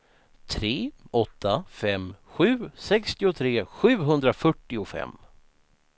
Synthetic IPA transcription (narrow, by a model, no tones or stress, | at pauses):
t̪ʰɾeːʔɔt̪ʰːafɛmːɧʉ̟ːsɛkst̪ɪʊt̪ʰɾeːɧʉ̟ːɦɵnd̪ɾafœʈːɪʊfɛ̰mː